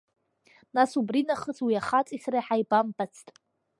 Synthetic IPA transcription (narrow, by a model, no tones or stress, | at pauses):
nasubrinaχəzwiaχat͡sʼisraħajbambʼat͡sʰtʼ